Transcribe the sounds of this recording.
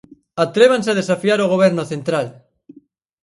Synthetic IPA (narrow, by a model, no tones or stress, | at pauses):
at̪ɾeβ̞anseað̞esafiaɾoɣ̞oβ̞ɛɾnoθent̪ɾal